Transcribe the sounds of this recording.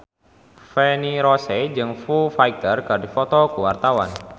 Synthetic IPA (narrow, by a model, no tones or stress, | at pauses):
fɛniɾɔsed͡ʒɨŋfufajt̪ərkadifɔt̪ɔkuwart̪awan